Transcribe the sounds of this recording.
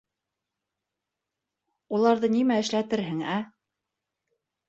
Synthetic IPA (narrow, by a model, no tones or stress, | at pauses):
ulˠɑɾðɤnimæɘ̆ʃlæt̪ɘɾɦɘŋæ